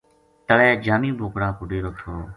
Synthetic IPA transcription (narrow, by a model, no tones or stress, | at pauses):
t̪əɭɛːd͡ʒaːmĩːbʱoːkɽãːpʊɖeːɾoːt̪ʰoː